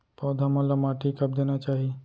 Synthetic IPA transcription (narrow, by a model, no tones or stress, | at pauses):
pɔːd̪ʱamɐ̃lɐmaːʈikɐp̚d̪eːnat͡ʃaːɦie